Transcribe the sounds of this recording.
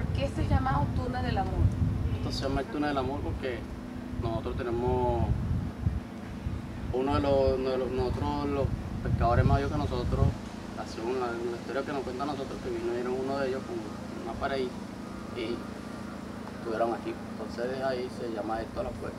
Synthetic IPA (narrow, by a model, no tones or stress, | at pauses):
poɾkeest̪oeʝamaot̪unaðelamoɾeht̪osejamaelt̪uneðelamoɾpoɾke̞ | nosot̪ɾot̪enemo | unoðelonoðelonosot̪ɾolohpe̞kaðoɾemaβjokenosot̪ɾos | asiounalaist̪o̞ɾjakenohkwent̪anosot̪ɾohkeβinoieɾoŋunoðeʝohkom | umapaɾai | i | et̪uβjeɾoŋakioent̪onseðeaiseʝamaest̪olokwḛ